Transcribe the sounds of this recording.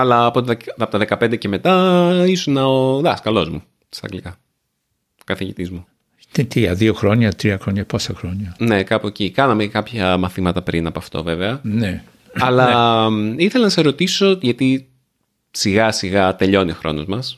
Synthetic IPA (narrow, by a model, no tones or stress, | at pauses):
ɐlɐːpot̪ɐpot̪ɐðe̞kɐpe̞nd̪e̞ceme̞t̪ɐisonɐoðɐskɐlo̞zmu | t̪i̥st̪ɐ̰ɡlikɐ | kɐθiʝit̪izmu | net̪ɾiɐðioxɾo̞ɲɐt̪ɾiɐxɾoɲɐposɐxɾoɲɐne̞kɐpoecikɐnɐmekɐpçɐmɐθimɐt̪ɐpɾinɐpoɐft̪o̞̰ve̞veɐne | ɐlɐ | iθelɐnɐs̬ɐsɾo̞t̪iso̞ʝɐt̪i | siɣɐsiɣɐt̪e̞ʎo̞nioxɾʔo̞̰no̞zmɐs